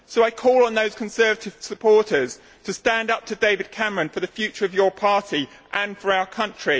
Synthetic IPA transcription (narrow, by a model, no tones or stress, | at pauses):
soʊaɪkʰɔːlˠə̃nðəʊz̥kʰə̃nsɜːvətʰɪv̥səpʰɔˑtʰəz̥ | tʰəstæ̃ndʌp̚tʰədeɪvɪd̚kʰæməɹə̃nfəðəfjʉˑt͡ʃəɹəvjəpʰɑˑtʰi | ʔə̃nfəɹaʊəkʰʌ̃nt͡ʃɹ̥i